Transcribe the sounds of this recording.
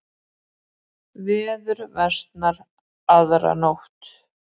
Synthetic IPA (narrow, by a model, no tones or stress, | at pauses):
vɛːðʏɾvɛst̪naɾ | aðɾa̰nowht̪